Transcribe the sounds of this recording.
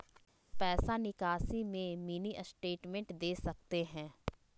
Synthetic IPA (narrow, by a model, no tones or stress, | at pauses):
pɛːsanɪkaːsimẽminiʔəsʈeːʈmɛ̃ɳʈd̪eːsɐk̚t̪eɦɛ̃ː